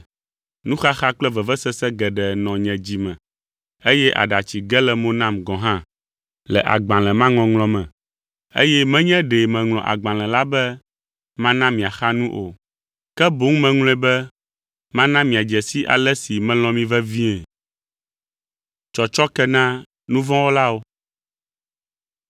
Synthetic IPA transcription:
nũ˦xa˦xa˦k͡plɛ˦vɛ˨vɛ˦sɛ˦sɛ˦ɡɛ˨ɖɛ˨nɔ̃˨ɲɛ̃˨d͡ʑi˨mɛ̃˨ | e˦jɛ˦ʔa̰˨ɖa˨t͡ɕi˨ɡɛ˦lɛ˨mõ˦nã˦mɡɔ̃˨ɦã˦ | lɛ˨ʔa̰˨ɡ͡bã˨lɛ̃˨mã˦ŋɔ̃˨ŋlɔ̃˨mɛ̃˨ | ḛ˦jɛ˦mɛ̃˦ɲɛ̃˦ɖɛ˨mɛ̃˨ŋlɔ̃˨ʔa̰˨ɡ͡bã˨lɛ̃˨la˦bɛ˦ | mã˦nã˦mĩ˨a˨xa˦nũ˦ʔo˨ | kɛ˦bo˦ŋ˦mɛ̃˦ŋlɔ̃˦ɛ˦bɛ˦ | mã˦nã˦mĩ˨a˨d͡ʒɛ˨si˦ʔa̰˨lɛ˦si˨mɛ̃˦lɔ̃˨mĩ˦vɛ˦vi˦ɛ̃˨ | t͡ʃɔ˨t͡ʃɔ˦kɛ˦nã˦ | nũ˦vɔ̃˦wo˦la˦wo˦

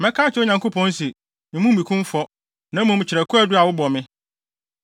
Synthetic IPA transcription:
mɛ̃˦kʰaː˦t͡ɕʰɪ˦ʊ˦ɲã˨ŋko˦pʰɔ̃˦n˦sɛ˨ | mɪ̃˨˦mũ˦m˦˨i˨kʰũ˦m˦fɔ˦ | nã˦mũ˨m̩˨t͡ɕʰɪ˨ɾæ˨kʰu˦æ˦dʊ˦a˨wʊ˦bɔ˨mɪ̃˦

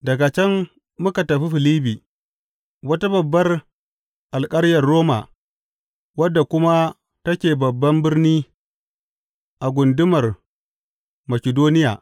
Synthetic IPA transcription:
dɐ˨ɡa˨t͡ʃɛ˦mː | ʊ˦ka˨tɐ˨ɸi˦ɸɪ˨liː˦biː˨ | wɐ˦ta˦bɐ˨bːɐ˦r | ʔa˨lkʼɐ˦ɾjɐ˨rːoː˦ma̰ː˨ | wɐ˦dːa˨kʷʊ˦ma˦ | tɐ˦kʲeː˨bɐ˨bːɐ˦mbɪ˦rniː˦ | ʔa˨ɡʷʊ˨ndɪ˦mɐ˨r | mɐ˨kʲɪ˨doː˦nɪ˦ja̰ː˨

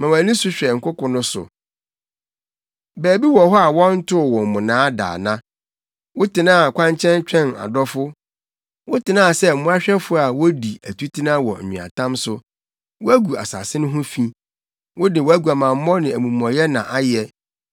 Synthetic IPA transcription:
mã˨wa˨nĩ˦sʊ˦ɕᶣɛ˨ŋ̩˨kʰʊ˦kʊ̃˨nʊ̃˦sʊ̰˨ | bæː˨bi˦wɔ̃˨ɦɔ˦a˨wɔ̃˦n̩˦tʰʊ˦˨wɔ̃˨m̩˨mʊ̃˨nãː˨˦da̰ː˨nã˦ | wʊ˦tʰɪ˨nã˦a˨kʰʷã˦ɲt͡ɕʰɛ̃˦n˦t͡ɕᶣɛ̃˦˨na̰˨dɔ˦fʊ˦ | wʊ˦tɪ˨nã˦˨sɛ˦m̩˨mʊ̃˦a˦ɕᶣɛ˦fʊ˦a˨wɔ˦di˨æ˨tʰu˦tʰi˦nã˦wɔ̰˨ĩ˨a̰˨tʰã˦msʊ˨ | wɔ˦æ˦ɡu˨a̰˨sa̰˨sɪ˦nʊ̃˦ɦʊ̃˦fĩ˦ | wʔʊ˦dɪ˨wɔ˦æ˦ɡu˨a˨mã˨m˦mɔ̃˦nɪ̃˨æ˨mũ˨m˨ɔ̃˨jɛ˦nã̰˨ʔa˦jɛ˨

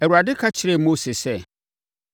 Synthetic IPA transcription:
ɛ˨wu˨a˨dɪ˦kʰa˦t͡ɕʰɪ˨ɾɛ˦˨mo˦se˨sɛ˦˨

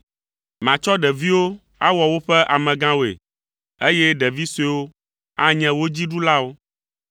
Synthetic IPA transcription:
mã˨t͡ʃɔ˦ɖɛ˨vi˦wo˦ | a˦wɔ˨wo˦ɸɛ˦ʔa˨mɛ̃˨ɡã˦wo˨ḛ˨ | e˦jɛ˦ɖɛ˨vi˦se˦wo˦ | a˦ɲɛ̃˦wo˦d͡ʑi˦ɖu˦la˦wo˦

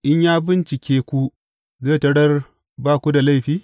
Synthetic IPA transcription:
ʔɪ˦ɲjaː˦bɪ˦nt͡ʃɪ˨kʲeː˦kʷu˦ | zeː˦˨tɐ˦ɽɐ˦r | baː˦˨kʷu˦da˨la˦jɸiː˦

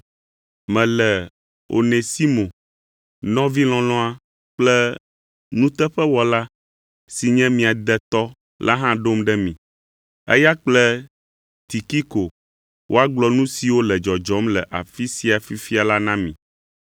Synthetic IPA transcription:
mɛ̃˨lɛ˨ | o̰˨ne˨si˦mõ˨ | nɔ̃˦vi˦lɔ̃˨lɔ̃˦a˦ | k͡plɛ˦ | nũ˦t̪ɛ˦ɸɛ˦wɔ˦la˦ | si˨ɲɛ̃˦mĩ˨a˨d̪ɛ˦t̪ɔ˦ | la̰˦ɦã˦ɖo˦mɖɛ˦mĩ˨ | ɛ̰˦ja˦k͡plɛ˦ | t̪i˨ki˦ko˨ | wʔo˦a˦ɡ͡blɔ˦nũ˦si˨wo˦lɛ˨d͡ʒɔ˨d͡ʒɔ˨˦mlɛ˨ʔa̰˨fi˦si˦a˨fi˦fi˦a˨la˦nã˦mĩ˨

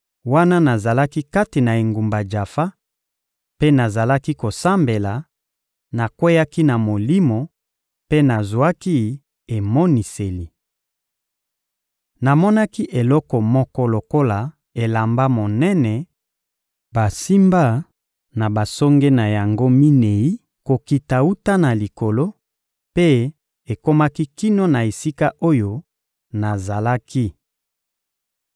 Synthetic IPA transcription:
wa˦na˦na˨za˨la˦ki˦ka˦ti˨na˨e˨ŋɡu˨mba˨d͡ʒa˨fa˦ | pe˦na˨za˨la˦ki˦ko˨sa˦mbe˨la˨ | na˨kwe˦ja˦ki˦na˨mo˨li˦mo˨ | pe˦na˨zwa˦ki˦ | e˨mɔ˦ni˨se˨li˨ | na˨mɔ˦na˦ki˦ʔe˨lɔ˦kɔ˨mɔ˦kɔ˦lo˨ko˦la˨ | e˨la˨mba˦mo˨nɛ˦nɛ˨ | ba˨si˦mba˦ | na˨ba˨sɔ˦ŋɡe˦na˨ja˨ŋɡo˦mi˦ne˨i˦ | ko˨ki˨ta˨u˦ta˦na˨li˨ko˨lo˦ | pe˦ | e˨ko˦ma˦ki˦ki˦no˦na˨e˨si˦ka˦ʔo˦jo˦ | na˨za˨la˦ki˦

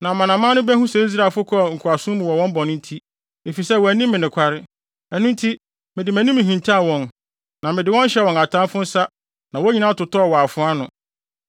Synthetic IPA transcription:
nã˨mã˨nã˨mã˦nʊ̃˦bæ˦ɦũ˦sɛ˨i˦s̬ɾa˨fʊ˦kʰɔ˦˨ŋ̩˨kʰa˨sʊ̃˦mʊ̃˨wɔ˨wɔ̃˦m˦bɔ˨nʊ̃˦n̩˦tʰi˦ | e˨fi˨sɛ˦˨wɔ˨æ˨nĩ˦mːɪ̃˨nɪ̃˨kʷʰa˦ɾɪ˦ | ɛ˨nʊ̃˦n̩˦tʰi˦ | mɪ̃˨dɪ˨mæ̃˨nĩ˦mɪ̃˨ɦĩ˨ntʰi˦a˦˨wɔ̃˨n | nã˨mɪ̃˨dɪ˨wɔ̃˦n̩˦ɕɛ˦wɔ̃˨na˨tʰã˦mfʊ̃˦n̩˦sa˦ | nã˨wɔ˦ɲi˨nã˦tʊ˨tɔ˦ɔ˨wɔ˨a˨fʊ̃˦a˦nʊ̃˨

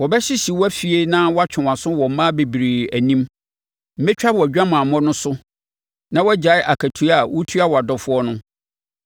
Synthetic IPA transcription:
wɔ˨bɛ˦ɕɪ˦ɕi˨wɔ˦æ˦fi˨e˦nã˦wɔ˦a˦t͡ɕᶣʰɪ̃˨a˨sʊ̃˦wɔ˨m˦mã˦be˨bi˨ɾi˨æ˨nĩ˦m | m̩˦mɛ̃˦t͡ɕᶣa˦bɔ˨æ˨d͡ʑᶣã˦mã˨a˨mɔ̃˦nʊ̃˦sʊ˦ | nã˦wɔ˦d͡ʑa˨˦ɪ˦ʔa˨kʰæ˨tʰu˦a˨wɔ˦tʰu˦a˦wɔ˨a˨dɔ˨fʊ˦ɔ˦nʊ̃˦

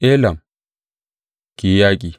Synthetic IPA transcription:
ʔe˦lɐ˨m | ki˨ja˦k̬ʼi˨

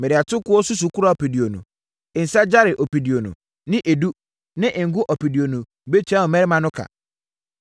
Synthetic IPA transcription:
mɪ˨ɾɪ˨a˨tʰʊ˦kʊ˦ɔ˦su˦s̬u˨ku˦ɾa˨o˨pi˨di˨o˨nṵ̃˨ | ɪ˨n̩˨sa˦d͡ʑa˦ɾɪ˨ʔo˨pi˨di˨o˨nʊ̰̃˨ | nɪ̃˦ʔe˨du˦ | nɪ̃˦ʔɪ̃˨ŋ̩˨˦ɡʊ˦ʔɔ˨pi˨di˨o˨nũ˨ | be˦t͡ɕʰɛ̃˦ɔ˨mɛ˦ɾɪ˦mã˦nʊ̃˦kʰa̰˨

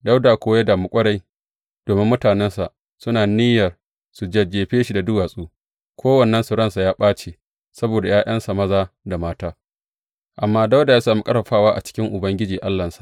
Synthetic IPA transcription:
da˦wdaː˨kʷoː˦ja˦daː˨mu˦˨kʷʼɐ˦ɽa˦j | d̥oː˨mɪ˦mːʊ˦taː˨nɛ˦nsa˨ʔ | sʊ˦naː˨niː˦jɐ˨r | su˨d͡ʒɐ˦d͡ʒeː˨ɸeː˦ʃi˨da˨dʊ˦waː˨sʼuː˦ | kʷoː˦wɐ˨nːɐ˦nsʊ˨ɽɐ˦nsa˨jaː˦ɓaː˦t͡ʃeː˨ | sɐ˦boː˨da˨jaː˦ʔɐ˦nsa˨mɐ˦zaː˦da˨maː˦taː˦ | ʔa˨mːaː˦da˦wda˨jaː˦saː˨mu˦kʼɐ˦ɾɐ˨ɸaː˦waː˦ʔa̰˨t͡ʃɪ̥˦kʲɪ˦ŋʔʊ˨bɐ˦ŋɡʲɪ˦d͡ʒiː˨ʔa˦lːɐ˨nsḁ˨ʔ

